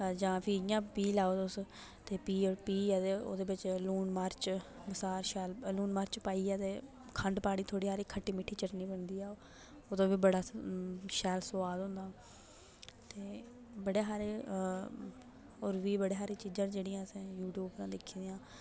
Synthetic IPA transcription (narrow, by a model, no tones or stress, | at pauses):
d͡ʒãːpʰiːjãːpiːlaːoːd̪s | t̪eːpiːoːɾpiːɛːt̪eːo̰ːd̪eːbɪt͡ʃluːnmaːɾt͡ʃbəsaːɾʃɛːlluːnmaːɾt͡ʃpaːiːɛːt̪eː | kʰəɳɖpaːɽ̃iːt̪ʰoːɽiːɦaːɾiːkʰəʈːiːmɪʈʰːiːt͡ʃəʈniːbənd̪iːɛː | oːd̪õːbiːbəɽaːʃɛːlsʊaːd̪ɦʊ̃nd̪aː | t̪eː | bəɽeːɦaːɾe | oːɾʋiːbəɽeːɦaːɾiːt͡ʃiːd͡ʒãnd͡ʒeːɽɪjãːsẽːjuːʈjuːbɾãːd̪ɪkʰːiːd̪eãː